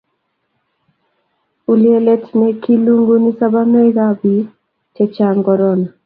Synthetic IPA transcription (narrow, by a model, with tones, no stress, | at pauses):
u˨lie˦lɛ˦tnɛki˦lu˦ŋɡu˦ni˦saba˦no˦i˦ɡabi˦ | tɛt͡ʃaŋɡɔɾɔna˨